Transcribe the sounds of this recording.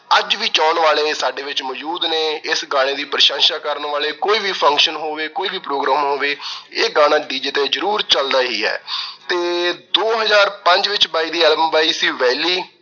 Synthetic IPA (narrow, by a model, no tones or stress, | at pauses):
əd͡ʒʋiːt͡ʃaːɳʋaːleːsaːɖeːʋɪt͡ʃmɔːd͡ʒuːd̪neːɪsɡãːɽ̃eːd̪iːpɾəʃãːnʃaːkəɾnʋaːleːkoːiːʋiːpʰə̃ŋkʃənɦoːʋeːkoːiːʋiːpɾoːɡɾãːmɦoːʋeːeːɡaːɽ̃ãːɖiːd͡ʒeːt̪eːzəɾuːɾt͡ʃəld̪aːɦiːɦɛ̰ːt̪eːd̪oːɦəzaːɾpəɲd͡ʒʋɪt͡ʃbaːiːd̪iːɛːlbəmbaːiːsiːʋɛːliː